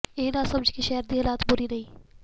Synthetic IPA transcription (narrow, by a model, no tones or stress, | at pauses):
eːnasɐbd͡ʒkiʃɛːəɾd̪iɦɐlaːt̪bʊɾiɾɐɦiː